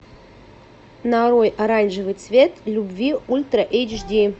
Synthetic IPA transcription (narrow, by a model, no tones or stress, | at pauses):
naɾojʔaɾanʲʐɨvɨjt̪svʲet̪lʲubvʲiulʲt̪ɾɐʔejd͡ʒʐd̪ʲi